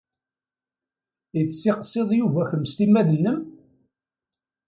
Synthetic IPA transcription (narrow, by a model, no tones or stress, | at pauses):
iθsːiqsˤeðˤjuvæçəmst̪imːæðənːəm